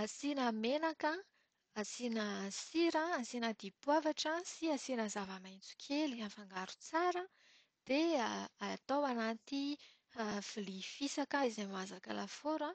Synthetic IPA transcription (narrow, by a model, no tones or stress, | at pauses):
asinamenakə | asinəsiɾəasinəd̪ipwavaʈ͡ʂəsiasinəzavamajnt͡su̥kʲʰeliafaŋɡaɾu̥t͡saɾə | d̪̥eat̪owanat̪i | aflifisakaizamazakalafoɾə